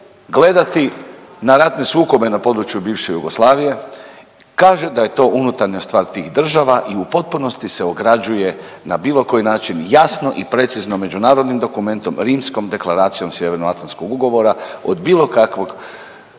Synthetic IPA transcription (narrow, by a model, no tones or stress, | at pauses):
ɡle̞d̪at̪i | naɾat̪ne̞suːko̞be̞napo̞d̪ɾut͡ʃjubiːʋʃe̞juɡoslˠaːʋije̞ | kaːʒe̞d̪aje̞t̪o̞ːʔunut̪aɾɲast̪ʋaːɾt̪iːxd̪r̩ʒaʋaʔiupo̞t̪̚puno̞st̪ise̞oɡɾad͡ʒuje̞ | nabiːlˠo̞ko̞jinaːt͡ʃinjasno̞ʔipɾe̞t̪siznome̞d͡ʒunaːɾo̞d̪nimd̪o̞kume̞nt̪o̞mɾiːmsko̞md̪e̞klaɾaːt̪sijo̞msje̞ʋe̞ɾnoat̪lanskoɡuɡo̞ʋo̞ɾaod̪biːlˠo̞kakʋoɡ